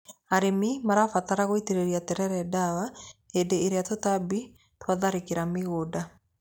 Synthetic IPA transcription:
aɾemimaɾafataɾaɣoiteɾeɾiatɛɾɛɾɛdawaedeːɾeatotabi | twaðaɾekeɾameɣoːda

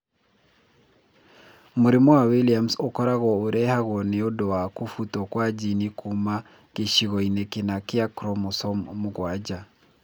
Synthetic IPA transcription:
muɾimɔwawiliamsokɔɾaɣɔoɾɛhaɣɔneodɔwakufutɔkwad͡ʒinikʰuma | ɣ̥eʃiɣɔinɛkinakɪakɾɔmosɔmmuɣwad͡ʒa

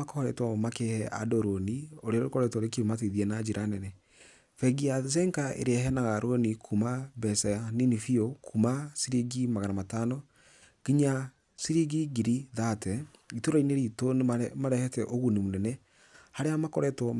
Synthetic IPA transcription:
akɔɔɾɛtwɔmakehɛʔa̰doɾonioɾeaɾoɾokɔɾɛtwɔɾekiomateðiɛnad͡ʒeɾʔanɛnɛ | fɛɡias̬ɛŋkaʔḛɾeɛɦɛnaɣaɾʔonikʰumabɛsɛaninifiokʰumasiɾiɡimaɣanamatanɔ | ɡ̥iɲa | siɾiɡiɡiɾiðatɛitoɾaineɾitonmaɾɛhɛtɛʔoɣunimunɛnɛ | haɾeamakɔɾɛtwɔ

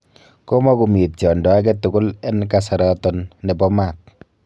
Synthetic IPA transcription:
kɔmɔkumit̚t͡ʃɔndɔaɡɛt̪uɡʊlɛnkasaɾɔt̪ɔnːɛbɔmat̚

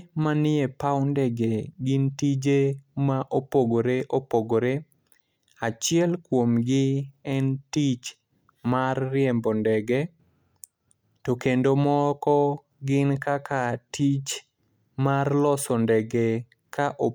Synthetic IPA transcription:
manɪepawndɛɡeɡɪntid͡ʒemaʔopoɡoɾeʔopoɡoɾe | at͡ʃɪɛlkwomɡɪɛntit͡ʃ | marːɪɛmbɔndɛɡe | tokendomɔkɔ | ɡɪnkakatit͡ʃ | marlɔsɔndɛɡe | kaʔo

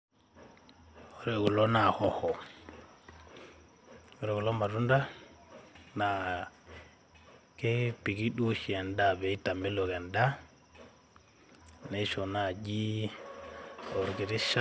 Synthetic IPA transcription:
ɔɾɛɡulɔnahɔhɔ | ɔɾɛɡulɔmaɾunda | na | kɛpiɡiɗuʃiɛndabɛitamɛlɔɡɛnda | nɛjʃɔnad͡ʒi | ɔɾɡiɾiʃa

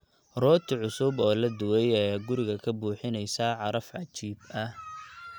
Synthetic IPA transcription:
rɔːt̪ʰɪʕʊsʊbɔːlɐd̪ʊwɛjɛːɡʊɾɪɣɐkʰɐbuːħɪnɛjsaʕɑɾɐfʕɑt͡ʃiːb̚ɐh

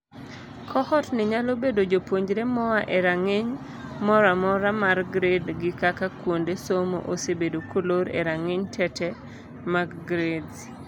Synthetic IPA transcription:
kʰɔhɔtnɪɲalobedod͡ʒopwoɲd͡ʒɾemɔwaʔeɾaŋeɲ | mɔɾamɔɾamarɡɾedɡɪkakakwondesomo̰ʔosebedokoloɾḛɾaŋeɲtʰɛtɛ | maɡɡɾed

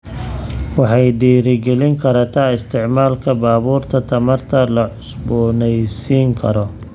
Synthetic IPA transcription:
wɑħɑjd̪iːɾɪɡɛlɪŋkʰɐɾat̪ʰaːɪst̪ʰɪʕmaːlkʰɐbaːβuːrt̪ʰɐt̪ʰɐmɐrt̪ʰɐlɐʕʊsbɔnɛjsiːŋkʰɐ̰ɾɔ

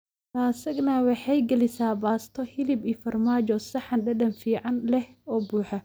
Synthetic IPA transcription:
t̪ʰaːsɐɡnɐwɑħɑjɡɛlɪsaːbaːst̪ʰɔhɪlɪbiːfɐrmaːt͡ʃɔsɐħɑnɖɐdɐnfiːʕɑnlɛhɔːbuːħɐ

